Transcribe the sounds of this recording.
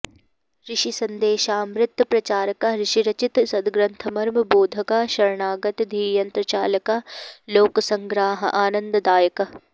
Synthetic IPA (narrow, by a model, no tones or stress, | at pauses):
ɾɪʃisɐ̃nd̪eːʃaːmɾɪt̪ːpɾɐt͡ʃaːɾəkaɾɪʃiɾɐt͡ʃɪt̪sɐd̪ɡɾɐnt̪ʰɐmɐɾmboːd̪ʱɐkaʃɐɾɳaːɡɐt̪d̪ʱiːjɐnt̪ɾɐt͡ʃaːlɐkaloːksɐ̃ŋɡɾaːɦʔaːnɐ̃nd̪d̪aːjək